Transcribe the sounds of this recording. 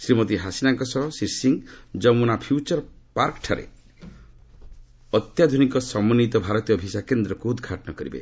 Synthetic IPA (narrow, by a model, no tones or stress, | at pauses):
sɾimɔt̪iɦasinaŋkɔsɔɦɔsiɾsiŋd͡ʒɔmunapʰjut͡ʃɔɾpaɾkɔʈʰaɾḛ | ɔt̪jad̪ʱunikɔsɔmɔnit̪ɔbʱaɾɔt̪ijɔbʱisakend̪ɾɔkuud̪ʱɡʱaʈɔnɔkɔɾibḛ